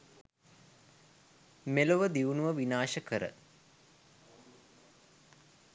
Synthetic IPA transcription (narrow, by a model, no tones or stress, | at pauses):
meluʋəd̪iʋunuʋəʋinaːʃəkəɾə̰